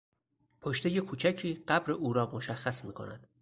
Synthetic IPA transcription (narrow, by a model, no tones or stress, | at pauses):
pʰoʃt̪e̞je̞kʰuːt͡ʃʰæcʰiːɢæbɾe̞ʔuːɾɒːmoʃæxːæsmiːkʰo̞̰næ̰d̪̥